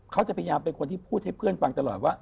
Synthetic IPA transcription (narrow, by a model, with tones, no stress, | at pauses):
kʰa˦˥wt͡ɕa˨˩pʰa˧ja˧jaː˧mpe˧nkʰo˧nt̪ʰiː˥˩pʰuː˥˩t̪̚ha˥˩jpʰɯ˥˩ənfa˧ŋt̪a˧lɔ̰ː˨˩t̪̚waː˥˩